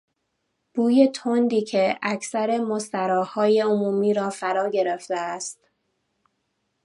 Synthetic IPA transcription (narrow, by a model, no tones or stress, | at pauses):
b̥uːje̞t̪ʰond̪iːcʰe̞æcʰsæɾe̞most̪æɾɒːhɒːje̞omuːmiːɾɒːfæɾɒːɟe̞ɾeft̪eæst̪